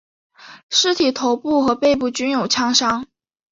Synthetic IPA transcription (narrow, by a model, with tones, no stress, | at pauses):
ʂɻ̩˥t̪ʰi˨˩t̪ʰo˧˥ʊpu˥˩xɤ˧˥pe˥˧ɪpu˥˩t͡ɕy˥njo˨˩ʊt͡ɕʰjɑ˥ŋʂɑ˥ŋ